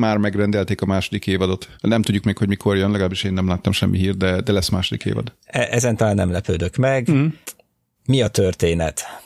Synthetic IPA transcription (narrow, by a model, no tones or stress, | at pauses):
maːrmɛɡrɛnd̪ɛlt̪eːkɒmaːʃod̪ikeːvɒd̪o̞t̪nɛmt̪udɟːukmeːkʰho̞ɟmikʰo̞rjønlɛɡɒlaːbiʃeːnːɛmlaːt̪ːɒmʃɛmːiɦiːrd̪̚d̪ɛd̪ɛlɛsːmaːʃod̪ikḛːvɒ̰d̪ | ɛʔɛzɛnt̪ɒlaːnːɛ̰mlɛpøːd̪økmɛɡ | miɒt̪ørt̪eːnɛ̰t̪